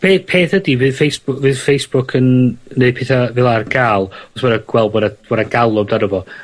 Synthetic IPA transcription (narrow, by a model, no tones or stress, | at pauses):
pʰeːpʰeːθədivɨðfejsb̥ʊvɨðfejsb̥ʊkʰənneɨd̚pʰeθavɪlˠarɡaːlˠɔsbɔnaɡ̥wɛlˠbwɔdab̥ɔdaɡalˠɔmdanəvɔ